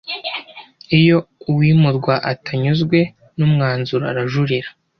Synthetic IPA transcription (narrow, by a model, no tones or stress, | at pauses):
ijo̞uwiːmuɾɡwaʔataɲuzɡwe̞ | numŋaːnzuɾoa̰ɾaʒuɾiɾa